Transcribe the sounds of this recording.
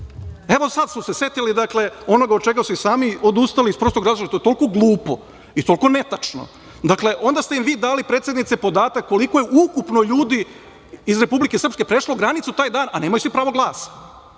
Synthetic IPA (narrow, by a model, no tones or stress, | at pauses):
e̞ʋo̞sad̪smose̞se̞t̪ilid̪akle̞o̞noɡaod̪̚t͡ʃeɡasuisaːmio̞d̪ust̪alispɾost̪oɡɾaːzɾoat̪oet̪o̞lko̞ɡlˠuːpo̞̰ | it̪o̞lko̞ne̞t̪at͡ʂno̰ | d̪akle̞ʔo̞nd̪ast̪eimʋiːd̪aːlipɾet̪sʲjed̪nit̪sepo̞d̪aːt̪akːo̞liko̞jeʔukupno̞ʎuːd̪i | izɾe̞publike̞srpske̞pɾe̞ʃlˠoɡɾanit̪sut̪aːjd̪aːnane̞ːmajusʋipɾaːʋo̞ɡlˠaːsḁ